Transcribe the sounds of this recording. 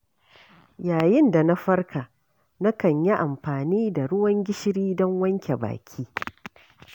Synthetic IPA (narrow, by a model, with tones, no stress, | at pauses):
jaː˨jɪ˦nda˨na˦ɸɐ˦rka˨ | na˦kɐ˨ɲji˦ʔa˨mɸaː˨niː˦da˨ɽʊ˦wɐ˦ŋɡʲɪ˦ʃɪ˦ɽiː˦dɔ˦ŋwɐ˦ŋkʲe˨ba̰ː˨kʲʰiː˦